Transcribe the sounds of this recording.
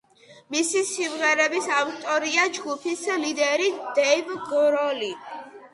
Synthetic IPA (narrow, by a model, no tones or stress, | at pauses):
misisimʁɛɾɛbisavt̪ʼɔɾiad͡ʒɡupʰislid̪ɛɾid̪̥ɛivɡɔɾɔli